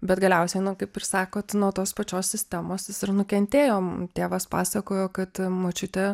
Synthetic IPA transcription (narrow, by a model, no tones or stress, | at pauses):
bʲɛt̪ɡɐlʲɛʊsʲɛɪnʊkɐɪpɪrsɑːkoːt̪nuːt̪oːspɐt͡ʃʲoːsʲsʲɪsʲt̪ʲæmoːsjɪsɪrnʊkʲɛnʲt̪ʲeːjoːmt̪ʲeːʋɐspɑːsɐkoːjoːkɐt̪moːt͡ʃʲʊt̪ʲɛ